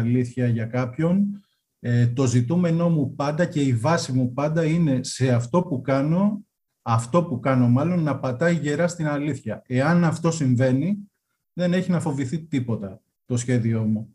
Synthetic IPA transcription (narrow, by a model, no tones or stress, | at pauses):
liθçɐʝɐkɐpço̞n | et̪o̞zit̪ume̞no̞mupɐnd̪ɐce̞ivɐsimupɐnd̪ɐine̞se̞ɐft̪o̞pukɐno̞ | ɐft̪o̞pukɐno̞mɐlo̞nːɐpɐt̪ɐiʝe̞ɾɐst̪inɐliθçɐe̞ɐnɐft̪o̞siɱve̞ni | ðe̞ne̞çinɐfo̞viθit̪ipo̞t̪ɐ | t̪o̞sçe̞ðio̞mu